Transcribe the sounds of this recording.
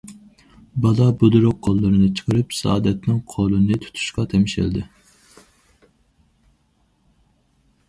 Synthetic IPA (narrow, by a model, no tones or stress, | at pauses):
bɑlˠɑbud̪uɾʊqʰːolˠːɨɾɨnɨt͡ʃʰə̥qʰəɾɨpsɑɑːd̪ɛt̪nɪŋqʰolˠɨnɨt̪ʰu̥t̪ʰu̥ʃqɑt̪ʰɛmɪʃɪ̰ld̪ɪ